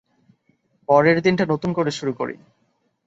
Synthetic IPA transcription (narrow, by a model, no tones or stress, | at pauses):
pɔɾeɾd̪inʈanot̪unkoɾeʃuɾuko̰ɾḭ